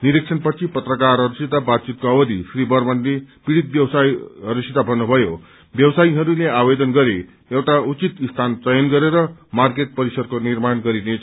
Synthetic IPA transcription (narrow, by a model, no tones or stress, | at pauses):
niɾik̚t͡sʰʌnpʌt͡sʰipʌt̪rʌkarɦʌɾusit̪abad̪̚t͡sit̪̚koʌwʌd̪isribʌrmʌnlepiɽit̪̚bjʌwsajɦʌɾusit̪abʱʌnːubʱʌjo | bjʌwsaiɦʌɾuleabed̪ʌnɡʌɾe | ewʈaut͡sit̪ist̪ʰant͡sʌjʌnɡʌɾeɾʌmarkeʈ̚pʌɾisʌd̪̚konirmanɡʌɾine